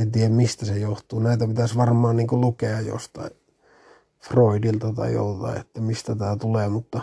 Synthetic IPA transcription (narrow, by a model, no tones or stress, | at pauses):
ent̪iæmmist̪æsejoht̪uːnæˑit̪æpit̪æsʋɑrmɑːnniːŋkulukeɑjjo̰st̪ɑ̰i | froidilt̪ɑt̪ɑ̰io̰lt̪ɑ̰ḭḛt̪ːæmist̪æt̪æːt̪uleːmut̪ːɑ